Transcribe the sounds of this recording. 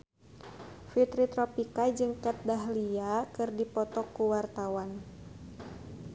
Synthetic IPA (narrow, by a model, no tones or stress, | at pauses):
fit̪ɾit̪ɾɔpikad͡ʒɨŋkat̪̚daɦliakɨrdipɔt̪ɔkːuwart̪awan